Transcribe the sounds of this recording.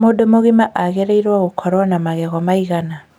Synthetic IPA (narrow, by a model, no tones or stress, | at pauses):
modomoɣimaʔaɣeɾeiɾwaɣokʰɔɾwanamaɣɛɣɔmaiɣana